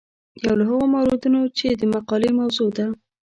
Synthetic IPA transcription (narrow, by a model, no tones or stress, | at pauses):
jawlaɦəɣomawɾod̪unot͡ʃed̪əmaqɑlemawzod̪a